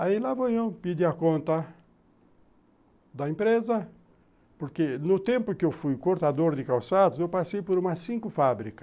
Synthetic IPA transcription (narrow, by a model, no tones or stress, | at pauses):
ailavoewpid̪iakõnt̪ɐ | d̪ɐĩmpɾezɐ | poɾkenʊt̪ẽmpʊkɪewfujkoɾt̪ad̪oɾd̪ɪkawsad̪ʊzewpasejpoɾumɐsĩŋkʊfabɾikɐ̥